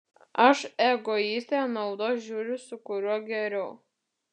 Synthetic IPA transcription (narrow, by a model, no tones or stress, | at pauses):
ɐʃɛɡɔiːsʲt̪ʲeːnɐʊd̪oːʒʲuːɾʲʊsʊkʊɾʲuɔɡʲɛɾʲɛʊ